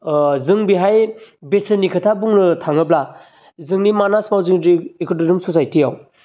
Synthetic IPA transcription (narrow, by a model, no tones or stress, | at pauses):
zɯŋbiɦajbesɯnikʰɯtʰabuŋnɯtʰaŋɯbla | zɯŋnimanasmawzɯŋdiːkʰɯtɯdumsosajtijaw